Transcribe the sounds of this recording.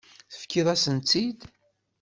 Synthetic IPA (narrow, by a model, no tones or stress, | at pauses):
θə̥fkːiðˤæsənt̪ːid̪